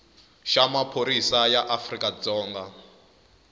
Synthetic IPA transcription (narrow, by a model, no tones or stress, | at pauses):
ʃamapʰoɾisajaʔafrikʼad͡zɔːŋɡa